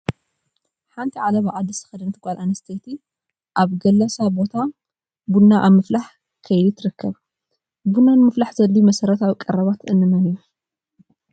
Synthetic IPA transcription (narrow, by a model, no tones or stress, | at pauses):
ħant̪ʰiʕalɐβaʔʼad̪ɐsɨ̥xɐd̪ɐnt̪ʰɨkʷʼalʔanɐst̪ʰet̪ʰi | ʔaβɡɐlːɐsabo̞t̪ʰa | bunːaʔaβmɨflaħ | kʰɐjit̪ʰɾɨkʰːɐβ | bunːanmɨflaħzɐlːimɐsɐɾɐt̪ʰawikʼɐɾɐβat̪ɨnːɨnɨnju